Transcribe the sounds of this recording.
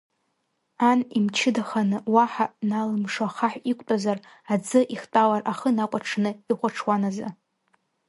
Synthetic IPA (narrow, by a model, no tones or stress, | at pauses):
animt͡ʃʰɪdaχanɨwaħanalɨmʂaχaħʷᶣikʷʼtʼazar | ad͡zɨʔiχtʼawarʔaχənakʷʼaʈ͡ʂʰnɨiχʷaʈ͡ʂʰwanaza̰